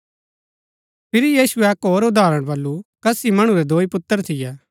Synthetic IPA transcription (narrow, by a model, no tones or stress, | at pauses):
pʰɪɾijiːsʊɛɐkɦoːɾʊd̪ʱaːɾəɽ̃bɐlːukɐsimɐɽ̃uɾɛd̪ʱoːipʊt̪ːəɾt̪ʰɪjɛː